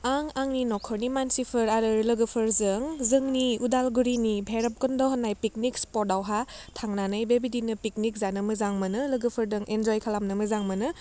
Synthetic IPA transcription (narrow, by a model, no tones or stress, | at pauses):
aŋaŋninɔkʰɔɾnimansipʰɯɾaɾɯɾlɐɡɯpʰɯɾzɯŋzɯŋniudalɡuɾinibʱeɾɐp̚kɯndɔɦɔnːajpik̚nikspɔɾdawɦatʰaŋnanɯjbebidinɯpik̚nik̚zanɯmɯzaŋmɐnɯlɐɡɯpʰɯɾdɯŋʔend͡ʒɔjkʰalamnɯmɯzaŋmɐnɯ